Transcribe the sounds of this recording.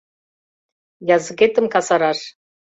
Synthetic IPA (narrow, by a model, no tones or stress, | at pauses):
jɑzɨɣet̪ə̆mkɑsɑɾɑʃ